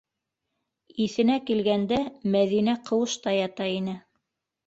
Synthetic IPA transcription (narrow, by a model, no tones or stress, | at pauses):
iθɘ̆nækilɡænd̪æmæðinæqʰɤ̆wɤ̆ʃt̪ɑjɑt̪ɑinɘ